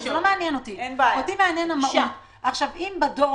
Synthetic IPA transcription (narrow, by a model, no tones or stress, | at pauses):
ʃlomeanjɛno̞t̪iot̪imeanjenamaʔot | ʔaχʃavimbad̪o